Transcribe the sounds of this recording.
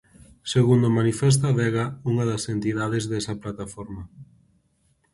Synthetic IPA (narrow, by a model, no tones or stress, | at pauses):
seɣund̪omanifɛs̬t̪aβɛɣauŋɐðɐsent̪iðaðezðɛsɐplat̪afɔɾmɐ